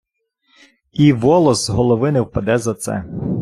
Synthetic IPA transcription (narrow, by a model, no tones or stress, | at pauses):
iʋɔlˠɔsɦɔlˠɔʋɪnɪwpɐd̪ɛzɐt̪sɛ̰